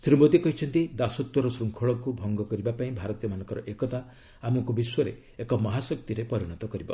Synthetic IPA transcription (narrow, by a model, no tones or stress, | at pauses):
sɾibɔt̪ikɔɦit͡ʃʰɔnt̪id̪asɔt̪wɔɾɔsɾuŋkʰɔɭɔkubʱɔŋɡɔkɔɾibapaĩbʱaɾɔt̪ijɔmanɔ̃ŋkɔɾɔʔekɔt̪a | amɔŋkubiswɔɾe | ekɔmɔɦasɔk̚t̪iɾepɔɾiɽ̃ɔt̪ɔkɔɾibɔ̰